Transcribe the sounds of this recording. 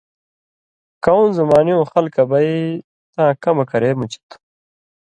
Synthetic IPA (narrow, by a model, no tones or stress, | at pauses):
kɐwũnzɐmaːnijõːxɐlkɐbɐi | t̪ãːkɐmɐkɐɾeːmut͡ɕi̥t̪